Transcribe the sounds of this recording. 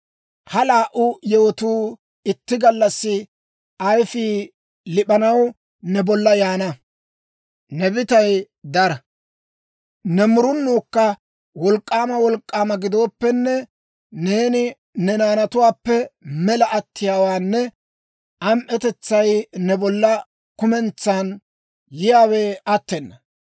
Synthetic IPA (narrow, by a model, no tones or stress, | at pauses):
hɐlaːʔʊjɛwɔt̪uː | ɪt̪ːɪɡɐlːɐsːɪ | ʔɐjfiː | lɪpɐnɐw | nɛbɔlːɐjaːnɐ | nɛbɪt̪ɐj | d̪ɐɾɐ | nɛmʊɾʊnːuːkːɐ | wɔlkʼːaːmɐwɔlkʼːaːmɐɡɪd̪o̞ːpːɛnːɛ | ne̞ːnɪ | nɛnaːnɐt̪ʊwaːpːɛmɛlɐʔɐt̪ʰːɪjaːwaːnːɛ | ʔɐmʔɛt̪ɛt͡sːɐjnɛbɔlːɐ | kʊmɛnt͡sːan | jɪjaːweːʔɐt̪ːɛnːɐ